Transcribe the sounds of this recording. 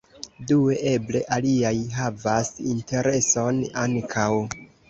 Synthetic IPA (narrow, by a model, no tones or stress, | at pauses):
due̞ʔe̞ble̞ʔaliajɦavasinte̞ɾe̞so̞naŋkʰaw